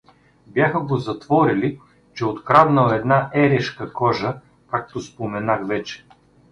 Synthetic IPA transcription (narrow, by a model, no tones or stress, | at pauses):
bjaxəɡozɐt̪vɔɾili | t͡ʃɛot̪kɾavnəlˠɛd̪naʔɛɾɛʃkəkɔʒə | kak̚t̪ospomɛnaxvɛt͡ʃɛ̥